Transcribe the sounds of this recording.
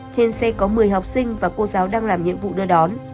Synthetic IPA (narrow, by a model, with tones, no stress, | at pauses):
t͡ɕe˧nsɛ˧kɔ˨˦mɨ˨˩əjɦə˨˩wp̚sï˧ŋ̟vaː˨˩ko˧zaː˨˦wɗaː˧ŋlaː˨˩mɲḭ˧˨əmvṵ˧˨ɗɨ˧əɗɔ˨˦n